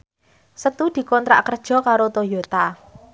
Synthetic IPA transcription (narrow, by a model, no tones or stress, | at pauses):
sət̪ud̪̥i̤kɔnt̪ɾa̰kərd̥ʒ̥ɔ̤kaɾot̪ojot̪a